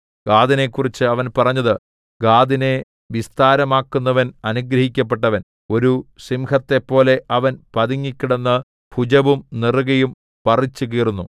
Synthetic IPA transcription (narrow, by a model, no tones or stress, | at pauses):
ɡ̥aːd̪ine̞kːurit͡ɕːɨɐʋɐnpɐrɐɲːɐðɨ | ɡaːd̪ine̞ | ʋist̪aːɾɐmaːkːunːɐʋɐnɐnuɡɾɐɦikʲːɐp̬ːe̞ʈːɐʋɐn | o̞ɾusimhɐt̪ːe̞pːo̞ːle̞ʔɐʋɐnpɐðiŋːikʲːiɽenːɨ | pʰud͡ʑɐʋumnirɣɐjum | pɐrit͡ɕːuk̬iːrunːu